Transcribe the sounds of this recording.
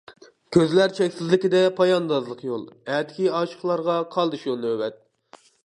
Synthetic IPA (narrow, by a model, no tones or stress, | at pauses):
kʲʰøzlæɾt͡ʃʰɛkʲsɪzlɪkʲid̪ɛpʰɑjɑnd̪ɑzlˠəqjolˠɛt̪kʲʰiɑːʃə̥χlˠɑɾʁɑqʰɑlˠd̪ɨʃjolˠnøwɛt̪̚